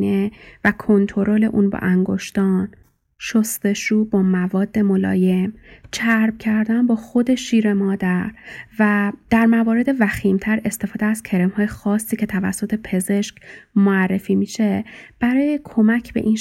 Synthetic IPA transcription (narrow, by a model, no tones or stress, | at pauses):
nevækʰo̞nt̪ʰo̞ɾole̞̰ʔunbɒ̰ʔæŋɡo̞̰ʃt̪ɒːn | ʃost̪e̞ʃuːbɒːmævɒːd̪ːe̞molɒ̰ːje̞mt͡ʃʰæɾbcʰæɾd̪ænbɒːxo̞d̪e̞ʃiːɾe̞mɒːd̪æɾvæd̪̥æɾmævɒːɾe̞d̪e̞væxiːmt̪ʰæɾe̞st̪e̞fɒːd̪eæz̥cʲʰe̞ɾemhɒːje̞xɒːsːiːcʰe̞t̪ʰævæ̰sːo̞t̪ʰe̞pʰe̞ze̞ʃcmoærːe̞fiːmiːʃe̞b̥æɾɒːje̞kʰo̞mæcʰb̥e̞̰ʔin